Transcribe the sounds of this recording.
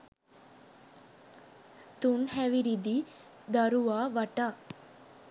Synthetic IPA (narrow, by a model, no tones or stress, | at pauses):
t̪unɦɛʋiɾid̪i | d̪ɐɾuʋaːʋɐʈa